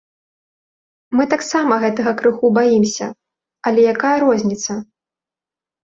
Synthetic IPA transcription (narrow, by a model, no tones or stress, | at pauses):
mɨt̪aksamɐɣɛt̪ɐɣɐkɾɨxubajimsʲɐ̰ | ɐlʲɛjakajɐɾɔzʲnʲit̪sɐ